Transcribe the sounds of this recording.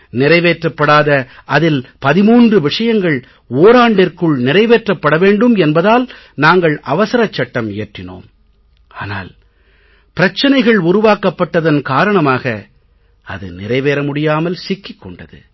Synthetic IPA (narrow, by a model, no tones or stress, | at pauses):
nɪɾɐɪʋeːʈrɐpːɐɽaːðɐɐðɪlpɐðɪmuːndrɯʋɪʂɐjɐŋɡɐɭ | oːɾaːɳɖɪrkɯɭnɪrɐɪʋeːʈrɐpːɐɽɐʋeːɳɖɯmɛnbɐðaːl | naːŋɡɐɭʔɐʋɐsɐɾɐt͡ʃːɐʈːɐmɪjɐʈrɪno̰ːm | a̰ːna̰ːl | pɪɾɐt͡ʃːɐnɐɪɣɐɭʊɾʊʋaːkɐpːɐʈːɐðɐnkaːɾɐɳɐmaːɣɐ | ɐ̰ðɯ̰nɪrɐɪʋeːɾɐmʊɽɪjaːmɐlsɪkːɪkːɔɳɖɐðɯ̰